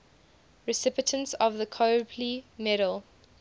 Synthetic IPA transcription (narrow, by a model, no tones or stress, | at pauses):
ɹɪsɪpɪtʰə̃nsɔvðəkʰopʰlimɛɾəlˠ